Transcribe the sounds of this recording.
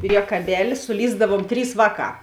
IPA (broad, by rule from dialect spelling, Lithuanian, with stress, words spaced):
pʲrʲiɛkɐˈbʲæːlʲɪ sʊˈlʲiːzdɐʋuɔm ˈtʲrʲiːs ˈʋɑːˌkɑː